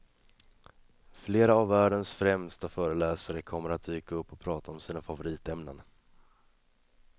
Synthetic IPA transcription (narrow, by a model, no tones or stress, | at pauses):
fleːɾaːvːæːɖənsfɾɛmst̪afœːɾəlɛːsaɾəkʰɔmːəɾat̪̚d̪yːkaɵpːɔpʰɾɑːt̪aɔmsiːnafavʊɾiːt̪ɛmnən